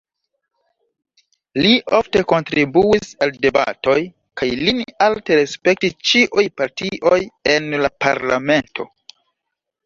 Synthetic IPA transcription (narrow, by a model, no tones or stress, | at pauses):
liʔofte̞ko̞ntɾibuisalde̞ba̰to̞j | kajlinalte̞ɾe̞spe̞k̚tist͡ʃiʔujpaɾtiʔo̞je̞nlapaɾlame̞ntʰo̞̰